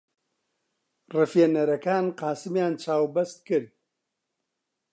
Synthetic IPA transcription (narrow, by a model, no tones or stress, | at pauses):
rɨfjenɐɾɐkaːnqɑːsɨmjaːnt͡ʃʰaːwbɐst̪̚kɨɾd̪̚